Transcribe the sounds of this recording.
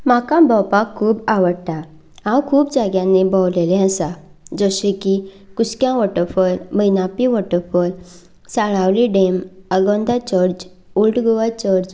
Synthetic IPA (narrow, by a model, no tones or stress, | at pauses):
m̤akãbɔwpakʰːuːbaʋəɽt̪a | ãwkʰuːpd͡zaɡjãnːebɔwlelɛ̃əsa | d͡zəɕeki | kuskjãʋɔʈəfɔɾməjnapiʋɔʈəfɔɾ | saɭawliɖeməɡɔ̃nd̪at͡ɕəɾd͡ʑ | ulʈɡɔʋat͡ɕəɾd͡ʑ